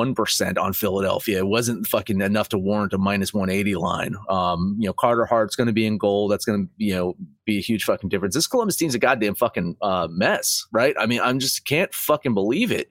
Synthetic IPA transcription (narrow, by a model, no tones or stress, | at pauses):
ʌ̃npʰə˞sɛ̰̃ntn̩fɪlˠəɾɛ̰lˠfiɨɨt̚wʌzɨ̃ntfʌkɪ̃ŋɨnʌftʰəwɔɹɨ̃ntəmãɪ̃nɨswʌ̃ñeɪɾilã̰ɪ̃nʌ̃mjɨnoʊkʰɑɹɾə˞hɑɹsɡ̥ʌñɨbiɨ̃nɡoʊlˠðætsɡ̥ʌnɨjɨnoʊb̥iɨhjʉd̥ʒ̥fʌkɪ̃ŋ̩dɪfɹɨ̃nsðɪskʰəlˠʌ̃mbɨstʰĩmzɨɡɑdɨ̃ɱfʌkɪ̃ŋʌmɛsɹaɪt̚a̰ɪmĩnã̰ɪ̃md͡ʒʌskʰæ̃ntfʌkɨ̃nbəlivɪ̰t̚